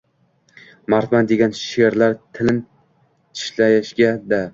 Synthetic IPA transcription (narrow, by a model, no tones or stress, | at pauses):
maɾt̪mand̪e̞ɡʲanʃeɾlaɾt̪ʰɪlɪn | t̪ʰɪ̥ʃlajɪʃɡʲad̪a